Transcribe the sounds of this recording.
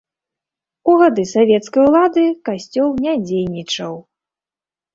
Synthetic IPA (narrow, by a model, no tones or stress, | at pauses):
uɣad̪ɨsavʲɛt̪skɐjulˠad̪ɨkasʲt͡sʲɔwnʲad͡zʲejnʲit͡ʂɐw